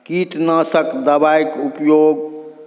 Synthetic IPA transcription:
kiʈ̪nəsəkd̪əbajkupjoɡ

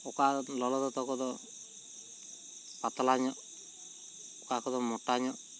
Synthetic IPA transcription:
ɔkalɔlɔd̪ɔt̪ɔkɔd̪ɔ | pat̪ɔlaɲɔ | okakɔd̪ɔmɔʈːaɲɔ

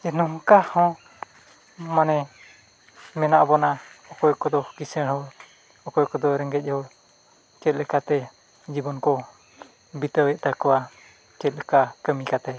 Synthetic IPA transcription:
ɛnɔɦkahɔ̃ | manɛ | mɛnaʔbɔnaɔkɔjkɔd̪ɔkisəɽɦɔɾ | ɔkɔjkɔd̪ɔɾɛŋɡɛc̚ˀhɔɾ | kɛt̪̚lɛkat̪ɛ | d͡ʒibɔnkɔ | bit̪əwɛʔ̚t̪akɔwa | kɛt̪̚lɛkakəmikat̪ɛ

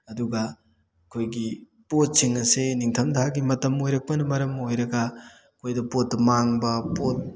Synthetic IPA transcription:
ɐduɡɐ | kʰojɡi | pot̚siŋɐseniŋtʰɐmdhaɡimɐtɐmojɾɐk̚pɐnɐmɐɾɐmojɾɐɡa | kʰojdɐpotːɐmaŋbɐpot̚

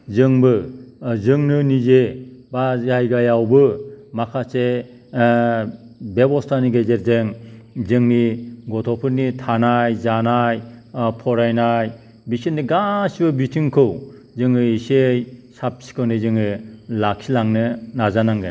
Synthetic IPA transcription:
zɯŋbɯzɯŋnɯnizebaajɡajawbɯmakʰase | bebɔstaniɡezet̚zeŋzɯŋniɡɔtʰɔpʰɯɾnitʰanajzanajpʰɔɾajnaj | bisitniɡasibɯbitʰiŋkʰɯw | zɯŋɯisejsap̚si̥kʰɯwnɯzɯŋɯlakʰilaŋnɯnazanaŋɡɯn

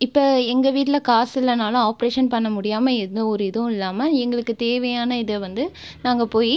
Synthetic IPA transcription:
ɪpːoːɛŋɡɐʋiːʈ̬ːɪlɐkaːsɪlːɐnaːlɐ̃aːpɐɾeːʂɐnpɐɳːɐmʊɽɪjaːmɐɛɔɾɯɪðɐʊ̃ɪlːaːmɐɛŋɡɐɭɯkːɯt̪eːʋɐjaːnɐɪðɛʋɐnd̪ɯ | naːŋɡɐpoːji

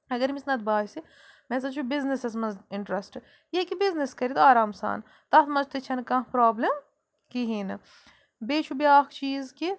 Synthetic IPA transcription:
ɐɡɐɾmisnɐt̪baːsi | mɛ̃ːs̬ɐt͡ʃʰubiznisɐs̬mɐnzɪɳʈɾɐsʈ | jekibizniskɐɾit̪aːɾaːmsa̰ːn | t̪ɐt̪mɐzt̪it͡ʃʰɐnkɐ̃pɾaːblɐm | kiɦiːnɨ | beːt͡ʃʰubiaːxt͡ʃiːzki

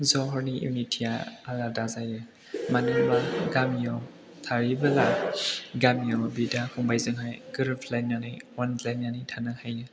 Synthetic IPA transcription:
zɔɦɔɾniḭmitʰijaaladazajɯ | manɯmaɡamijɔ | tʰaɾibalaɡamiɔbidahʰuŋbajzɯnɦajɡ̥ɯɾpʰlananɯwɔnplajnːanitʰanɯhajɯ

